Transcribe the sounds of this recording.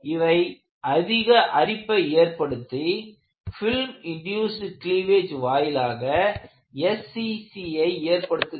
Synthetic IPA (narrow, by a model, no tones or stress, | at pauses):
ɪʋɐɪ | ɐðɪɣɐʔɐɾɪpːɐeːrpɐɽɯt̪ːi | fɪlmɪɳɖjuːsɖkliʋeːd͡ʒʋaːjɪlaːɣɐ | ɛsːisiɐɪeːrpɐɽɯt̪ːɯ